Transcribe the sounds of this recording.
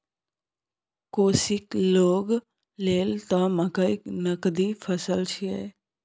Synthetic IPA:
koːsɪkloːɡ | leːlt̪ãːməkəɪknəkd̪ifʰəsəlt͡ʃʰiɛ̰ː

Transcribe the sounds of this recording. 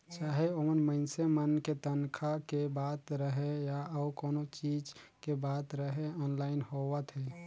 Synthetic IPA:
t͡ʃaːɦeomənməɪnsemənket̪ənkʰakebat̪ɾəɦejaəbkonot͡ʃid͡ʒ | kebat̪ɾəɦeɔnlaɪnhoʋət̪ɦɛ

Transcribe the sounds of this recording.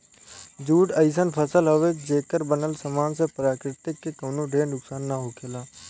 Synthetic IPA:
d͡ʒuːɖəɪsənpʰəsəlɦəʋed͡ʒeːkəɾbənəlsəmaːnsepɾaːkɾɪt̪ɪkːekəːnũɖʱeːnʊksaːnːaɦoːkʰelaː

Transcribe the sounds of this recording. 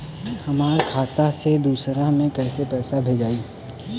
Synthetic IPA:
hɐmaːɾkʰaːt̪ased̪uːsɾamẽkɛːsepɛːsabʱed͡ʒaːiː

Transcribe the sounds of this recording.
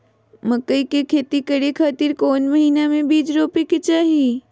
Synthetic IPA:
məkəikekʰeːt̪ikəɾekʰaːt̪iɾkoːnməɦiːnamẽbiːd͡ʒɾoːpekit͡ʃaːɦi

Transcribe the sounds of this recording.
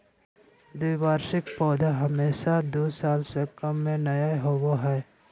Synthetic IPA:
d̪uːbaːɾʃɪkpɔːd̪aɦəmeːʃad̪oːsaːlsekəmːẽnɐjaeɦoɡoɦɛː

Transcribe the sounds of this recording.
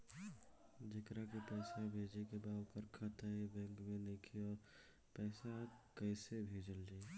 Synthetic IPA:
d͡ʒekɾakepɛɪsabʱed͡ʒekebaupəɾkʰat̪aibɛ̃ŋkmenekʰiɔːɾ | pɛɪsakəɪsebʱed͡ʒəld͡ʒa

